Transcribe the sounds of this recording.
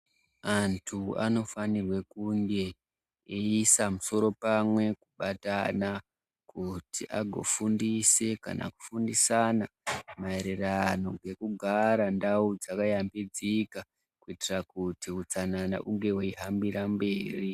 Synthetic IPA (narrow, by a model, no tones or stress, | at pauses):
antʰua̰no̞fanirwe̞kuŋɡe̞ | eisamuso̞ɾo̞pamwe̞kuɓatana | kutiʔa̰ɡʱo̞̰fundise̞ka̰nʔa̰ku̥fundisanamaeɾerano̞ɡe̞kuɡʱaɾandaud͡zakajambid͡zika | kuitirakutiut͡sanana̰ʔuŋɡe̞weiɦambirambe̞ːri